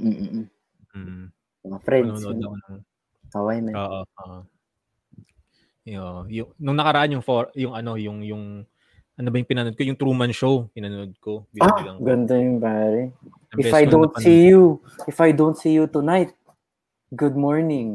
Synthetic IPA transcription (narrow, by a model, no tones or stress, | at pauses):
m̩ːʔ̩ | m̩ː | ɐŋɐfɾɛnd̪on | t̪ɐwɐjnɐoːʔooʔo | oʔojʊŋnʊŋnɐkɐɾɐʔanjʊŋfoɐjʊŋɐno̞jʊŋjʊŋ | ʔɐnobɐjʊŋpɪnanod̪̚kojʊŋt̪ɾuːmɐnʃowpɪnɐnod̪̚kobilɐŋɡɐnt̪onjʊŋpaːɾɛ | ɐɪbɛfajdont̪ɐsiju | ʔɪfɐjd̪ont̪sijut̪ʊnajt̪̚ | ɡʊd̪̚moɹnɪ̃ŋ